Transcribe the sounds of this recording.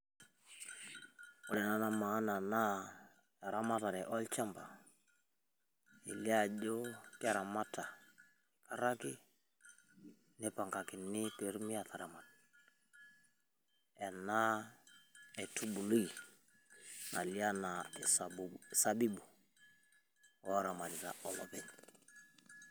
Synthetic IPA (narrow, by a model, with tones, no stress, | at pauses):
ɔ˨lɛ˨na˨na˦ma˨˦na˨na˦ | ɛ˨ɾa˦ma˦ta˨ɾɛ˨ʔɔ˦lt͡ʃa˦mba˨ | ḭ˨li˦a˦˨d͡ʒo˦tɪ˦a˨ɾa˨ma˦ta˨ | kʰa˨ɾa˦kɪ˦ | nɪ˦pa˨ŋɡa˨kɪ˨nɪ˦te˨ɾmi˦a˨ta˨ɾa˨ma˨t | ɛ˨na˦ | ɛ˨tʰu˦bu˨lu˦i˨ | na̰˨li˦a˦na˨ɛ˨sa˨sa˦bi˦bu˨ | wɔ˦ɾa˨ma˨lɪ˨ta̰˨ɔ˨lɔ˨pɛ˨n